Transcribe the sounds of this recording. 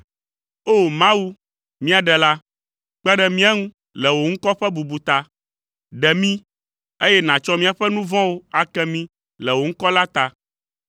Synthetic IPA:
o˦˨mã˦wu˦ | mĩ˦a˨ɖɛ˨la˦ | k͡pɛ˦ɖɛ˨mĩ˦ɛ˦ŋũ˦ | lɛ˨wo˨ŋ̩˦kɔ˦ɸɛ˦bu˨bu˨t̪a˦ | ɖɛ˨mĩ˦ | e˦jɛ˦nã˨t͡ʃɔ˦mĩ˦a˨ɸɛ˦nũ˦vɔ̃˦wo˦a˨kɛ˦mĩ˦ | lɛ˨wo˨ŋ̩˦kɔ˦la˦t̪a˦

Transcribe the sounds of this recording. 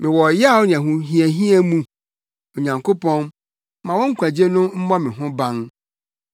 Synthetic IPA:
mɪ̃˨wɔ˨jɛ˦a˦˨wɔ˦nɪ̃˨æ˨ɦũ˨ɦĩ˦æ˨ɦĩ˦æ˦mũ˨˦ | o˨ɲã˨ŋko˦pɔ̃˦n | mã˨wɔ̃˦ŋ̩˦kʰʷa˨d͡ʑe˦nʊ̃˦m̩˦mɔ̃˦mɪ̃˨ɦʊ̃˦bã˦n

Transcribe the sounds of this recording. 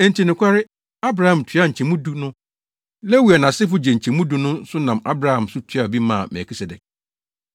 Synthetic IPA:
ɛ˨n˨tʰi˨nɪ̃˨kʷʰa˦ɾɪ˦ | a˦bɾa˨hã˨mtʰɥa˦ɲ̩˨t͡ɕʰɛ̃˨mũ˦du˦nʊ̃˦ | le˦wi˨a˨nã˨sɪ˦fʊ˨d͡ʑɛ˨ɲ̩˨t͡ɕʰɛ̃˨mũ˦du˨nʊ̃˦n˦sʊ˦nã˨ma˦bɾa˨hã˨msʊ˦tʰɥa˨bi˦mã̰ː˦˨mɛ̰˨kʰi˦sɛ˨dɛ˨k̚

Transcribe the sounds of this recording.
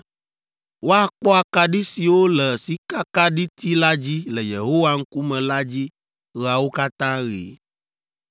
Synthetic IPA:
wo˦a˨k͡pɔ˦a˨ka˦ɖi˦si˨wo˦lɛ˨si˦ka˦ka˦ɖi˦t̪ʰi˦la˦d͡ʑi˦lɛ˨je˨ɦo˦wa˦ŋ̩˦ku˦mɛ̃˨la˦d͡ʑi˦ | ɣa˨wo˦ka˦t̪ã˦ɣḭ˨˦

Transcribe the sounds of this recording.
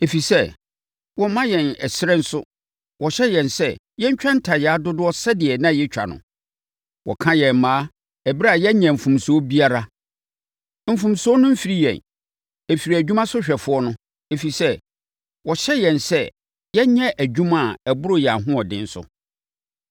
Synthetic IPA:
e˨fi˨sɛ˦ | wɔ˦mã˦jɛ̃˨nɛ̰˨sɪ˦ɾɛ˦n̩˦sʊ˦ | wʔɔ˨ɕɛ˦jɛ̃˨nsɛ˦ | jɛ˦ɲ̩˦t͡ɕᶣã˦n̩˦tʰa˨jɛ˨a˦dʊ˦dʊ˦ɔ˦sɛ˦dɪ˨ɛ˨nã˦˨jɛ˦t͡ɕᶣa̰˨nʊ̰̃˨ | wɔ̰˨kʰã˦jɛ̃˨m˨mãː˨˦ | ɛ˨bi˦ɾa˨jɛ˦ɲɛ̃˨m̩˨fũ˨m˨su˨o˦bi˦a˦ɾa˦ | m̩˨fũ˨msu˨˦o˦nʊ̃˦m̩˦fi˨ɾi˦jɛ̰̃˨n | ɛ˨fi˨ɾi˨æ˨d͡ʑᶣu˦mã˦sʊ˦ɕᶣɛ˨fʊ˨˦ɔ˦nʊ̃˦ | e˨fi˨sɛ˦ | wɔ˨ɕɛ˦jɛ̃˨nsɛ˦ | jɛ˦ɲɛ̃˦ʔæ˨d͡ʑᶣũ˦mã˦˨ɛ˨bʊ˦ɾʊ˦˨jɛ˨a˨ɦʊ̃˦ɔ˨dɪ̃˦n̩˦sʊ̰˦

